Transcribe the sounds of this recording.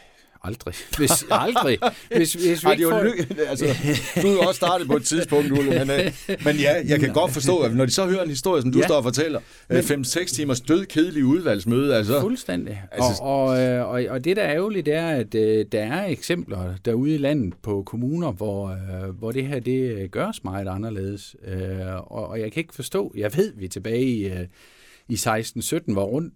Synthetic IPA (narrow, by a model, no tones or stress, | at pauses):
ɑ̈ld̥ʁiʋesɑld̥ʁie̝se̝sʋiɡ̥ijoælsəd̥ujɒ̽ssːd̥ɑ̈ːd̥ð̩ˠpʰɒ̽e̝d̥̚t͡sʰiðˠsb̥ʰɔ̽ŋ̰d̥ulmenmenjæjɑ̈ɪkʰæɡ̥ɒ̽d̥fɒ̽sd̥ɔ̰ːnɒd̥isɒhøːɐe̝nhisd̥o̝ɐjəsɒ̽md̥usdɒ̰ːɒfɒ̽t͡sʰel̰ɐ | femseɡ̥st͡sʰiːmɐsd̥øð̞ˠkʰe̝ð̞ˠliəuð̞ˠʋæl̰smøːð̞ˠəælsɒfolsd̥en̰d̥iæɒsɒ̽ɒ̽ɒd̥e̝ɾæɛʊlid̥æɐæd̥d̥ɑ̈æɐeɡ̥sem̰b̥lɐd̥ɑ̈uð̞̩ˠilæn̰ð̩ˠpʰɒ̽kʰo̝muːnɐʋɒʋɒd̥e̝ɦæɐd̥e̝ɡ̥ɶɐsmɑ̈ɪðˠɑ̈nɐle̝ːð̞ˠəsøɒ̽ːjɑ̈ɪkʰæe̝ɡ̥fɒ̽sd̥ɔ̰̽ːjɑ̈ɪʋe̝ð̞̰ˠʋit͡sʰe̝b̥ɛːɪi | isɑ̈ɪsd̥n̩sød̥n̩ʋɑ̈ʁɔ̽n̰d̥